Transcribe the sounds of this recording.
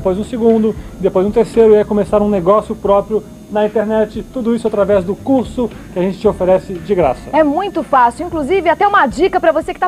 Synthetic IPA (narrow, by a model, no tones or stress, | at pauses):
d̪pojzũseɡũnd̪ʊɪd̪epojzũt̪eɾseɾʊiɛjkomesaɾũneɡɔsjʊpɾɔpɾjʊ | nɐĩnt̪eɾnɛt͡ʃɪt̪ud̪ʊisʊat̪ɾavɛzd̪ʊkuɾsʊ | kɪaʒẽnt͡ʃɪ̥t͡ʃɪofeɾɛsɪd͡ʒɪɡɾa̰sɐɛmũj̃t̪ʊfasɪwĩkluzivɪat̪ɛũmɐd͡ʒikɐpɾɐvosekɪ̥t̪a